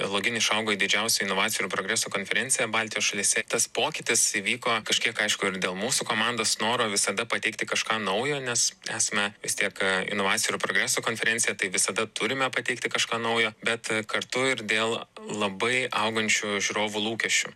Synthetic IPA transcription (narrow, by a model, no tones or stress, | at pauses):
lˠoːɡʲɪnʲɪʃɐʊɡoːjid̪ʲɪd͡ʒʲɛʊsʲʊɪnoːʋɑːt͡sʲɪjɾupɾoːɡɾʲæːsuːkoːnʲfʲɛɾʲɛnʲt͡ssʲɪjɛbɑːlʲt̪ʲɪijoːsʃɐlʲiːsʲɛt̪ɐspoːkʲɪt̪ʲɪsiːʋʲiːkoːkɐʃʲkʲiɛkɐɪʃkʊɪɾd̪ʲeːlˠmuːsukoːmɑnd̪oːsnoːɾoːʋʲɪsɐd̪ɐpɐt̪ʲɛɪkt̪ʲɪkɐʃkɑːnɐʊjoːnʲɛsæːsɐmʲɛʋʲɪst̪ʲiɛkɪ̰noːʋɑːt͡s̪ʲɪjɾupɾoːɡɾʲæːsuːkoːnʲfʲɛɾʲɛnʲt͡s̪ʲɪjɛt̪ɐɪʋʲɪsɐd̪ɐt̪ʊɾʲɪmʲɛpɐt̪ʲɛɪkt̪ʲɪkɐʃkɑːnɐʊjoːbʲɛt̪kɐrt̪ʊɪɾd̪ʲeːlˠlˠɐbɐɪɐ̰ʊɡɐnʲt͡ʃʲuːʒʲuɾoːʋulˠuːkʲɛʃʲt͡ʃʲṵː